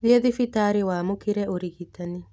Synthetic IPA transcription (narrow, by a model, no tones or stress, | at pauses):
ðiɛðifitaːɾewaːmokɪɾɛoɾiɣitani